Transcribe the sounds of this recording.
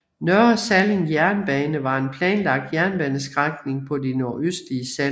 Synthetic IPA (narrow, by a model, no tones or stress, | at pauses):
nœɐsæleŋjæɐnb̥ɛːnəʋɑ̈e̝npʰlɛ̰ːnlɑ̈ɡ̥̚d̥jæɐnb̥ɛːnəsɡ̥ʁaɡ̥ne̝ŋpʰɒ̽dino̝ɐʔøsd̥liəsæl